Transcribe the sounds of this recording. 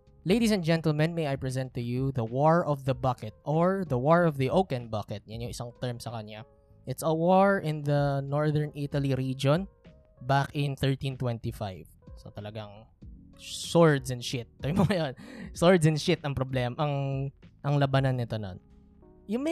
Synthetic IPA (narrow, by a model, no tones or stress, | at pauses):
leɪd̪is̬ɛ̃nd͡ʒɛ̃nt̪əlmɛ̃nmejajpɹɛzɛ̃nt̪ːʊjuðɐwɔɹɔvðɐbɐkɛt̪̚ʔɔɹðɐwɔɹɔvðiʔowkɛ̃nbɐkɛt̪̚jɐnjʊŋʔɪsaŋt̪ɛɹmsɐkɐɲa | ʔɪt̪sɐwɔɹɪ̃nðɐnɔɹðɛɹnʔɪt̪ɐliɾid͡ʒõn | bakɪ̃nθɛɹt̪ĩnt̪wɛ̃nt̪ifajv̥sɐ̰t̪ɐlɐɡaŋ | sɔɹd̪sɛnʃɪt̪̚ːojmoŋɐjonsɔɹd̪sɛ̃nʃɪt̪ʔɐŋpɾɔblɛmʔɐŋʔɐŋlɐbanɐnːɪt̪ono̰n | jʊm